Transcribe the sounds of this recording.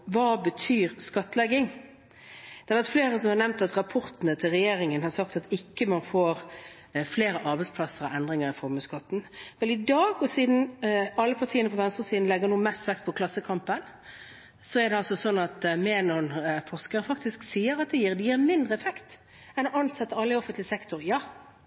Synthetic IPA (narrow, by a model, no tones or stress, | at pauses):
ʋɑbət̪ʰyːɾskɑt̪ːəlɛɡɪŋ | d̪̥ɛɛʋæʁt̪fleːɾəsɔmhɑɾnɛʋnt̪ɑt̪ɾɑpʰɔɾt̪ənət̪ʰɪlʁɛjeːɾɪŋənhɑɾsɑkt̪ɑt̪ɪkːəmɑnfoːɾ | fleːɾəʔɑɾbɛɪdspʰlɑsəɾɑɛnd̪ʁɪŋəɾɪfɔɾməskɑt̪ːn̩mɛlɪd̪ɑːɡɔsiːd̪n̩ɑlːəpʰɑʁt̪ʰiːənəpʰɔʋɛnst̪ʁəsiːd̪nlɛɡəʁnuːəmɛst̪ʋɛk̚t̪̚pʰɔkʰlɑsːəkʰɑmpən | sɔɛɾd̪ɛɑlsɔsɔnːɑt̪mɛːnɔnfɔʁskəʁəfɑkt̪ɪsksiːəɾɑt̪̚d̪ɛjiːɾd̪ɛjiːʁmɪnd̪ʁəɛfɛkt̪ | ɛnɔɑnsɛt̪ːəɑlːəɪɔfənt̪lɪsɛkt̪ʊɾjɑː